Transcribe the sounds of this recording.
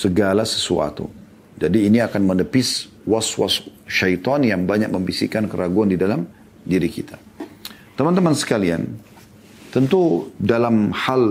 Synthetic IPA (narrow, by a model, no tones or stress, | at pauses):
səɡalasə̥sua̰t̪ṵ | d͡ʒadiːniakanmənəpɪs | waswa̰sʃajt̪ɔnjaŋbaɲak̚məmbisikankəɾaɡuandidalam | diɾikit̪ʰḁ | t̪əmant̪əmansə̥kalia̰n | t̪ənt̪udalamhal